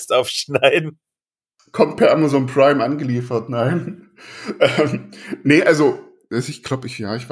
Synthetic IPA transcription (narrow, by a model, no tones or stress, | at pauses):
stʔaʊfʃnaɪdn̩ | kʰɔmt̚pʰɛɐʔamazonpʁ̥aɪmʔanɡəliːfɐtnaɪn | ʔɛmnəʔalzo | ɛsɪçɡ̥laʊbɪçjaːɪçv̥a